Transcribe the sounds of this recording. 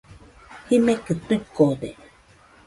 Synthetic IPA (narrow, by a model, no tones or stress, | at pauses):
himekɨt̪ukod̪e